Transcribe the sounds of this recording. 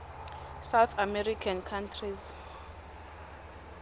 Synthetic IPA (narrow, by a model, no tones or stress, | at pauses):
sawθʰamɛɾikʰankʰantʰriz